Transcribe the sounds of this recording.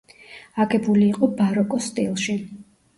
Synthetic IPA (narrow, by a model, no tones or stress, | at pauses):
aɡɛbuliːqʼɔbaɾɔkʼɔst̪ʼilˠʃi